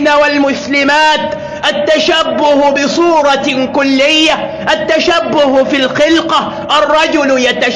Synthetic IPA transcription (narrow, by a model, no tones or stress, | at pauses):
nawalmʊslɪmaːt̪ | ʔat̪ːaʃabːʊhbɪsˤuːɾˤɑkʊlːɪjːa | ʔat̪ːaʃabːʊhfilxɪlqɑ | ʔɑrˤːɑd͡ʒʊljat̪a